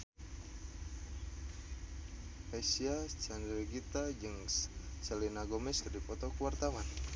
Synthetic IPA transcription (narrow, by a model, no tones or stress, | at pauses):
asiat͡ʃandɾɡit̪ad͡ʒɨŋst͡ʃɛlinaɡɔmɛskərdipɔt̪ɔkuwart̪awan